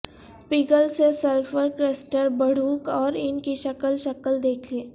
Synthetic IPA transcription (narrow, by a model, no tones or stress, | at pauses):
piːɡəlsesəlfəɾkɾɛsʈəɾbəɽ̤uːkɔːɾɪnkiʃɐkəlʃɐkəld̪eːkʰleː